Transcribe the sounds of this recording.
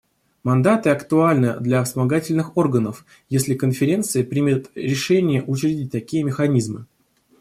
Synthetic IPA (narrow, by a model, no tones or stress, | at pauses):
mɐnd̪at̪ɨɐkt̪ʊalʲnɨd̪lʲɐsmɐɡatʲɪlʲnɨxo̞rɡənəf | jesʲlʲɪkənfʲɪɾʲe̞nt̪sɨjəpɾʲimʲɪt̪ɾʲɪʂɛnʲɪjəʔʊt͡ɕɪɾʲɪdʲit̚ʲt̪ɐkʲijəmʲɪxɐnʲizmɨ